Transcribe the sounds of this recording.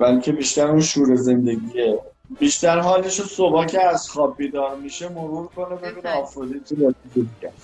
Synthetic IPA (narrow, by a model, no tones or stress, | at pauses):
b̥ælcʰe̞biːʃt̪æɾuːnʃuːɾeze̞nd̪e̞ɟiːe | biːʃt̪æɾɦɒːleʃosobɒːcʰeæzxɒːb̚biːd̪ɒːɾmiːʃemoɾuːɾkʰo̞nebeɾunɒːfɾod̪iːt̪ʰud̪ɒsikeb̪iɟæ